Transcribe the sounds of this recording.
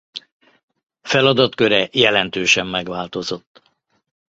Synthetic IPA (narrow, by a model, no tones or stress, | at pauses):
fɛlɒd̪ɒt̪køɾɛjɛlɛnt̪øːʃɛmːɛɡʋaːlt̪o̞zo̞t̪ː